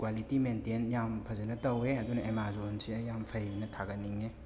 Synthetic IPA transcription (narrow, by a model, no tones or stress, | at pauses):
kwalitimentenjampʰɐzɐnɐtɐweɐdunɐemazonsiɐjampʰɐjnɐtʰaɡɐniŋe